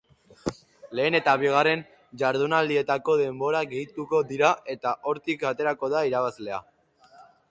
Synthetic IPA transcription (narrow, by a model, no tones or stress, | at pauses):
le̞ːne̞t̪aβiɣ̞are̞n | d͡ʒaɾðunald̪ie̞t̪ako̞ðe̞mbo̞ɾaɣe̞jt̪uko̞ðiɾaʔe̞t̪aʔo̞ɾt̪ikat̪e̞ɾako̞ðaiɾaβazle̞a